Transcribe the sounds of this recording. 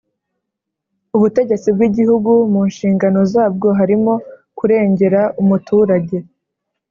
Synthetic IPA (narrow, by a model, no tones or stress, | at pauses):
uβute̞ɟe̞t͡sibɡwiɟihuɡumunʃiːŋɡano̞zaːb̚ɡo̞ɦaɾimo̞kuɾe̞ːɲɟe̞ɾaʔumutʰuːɾaɟe̞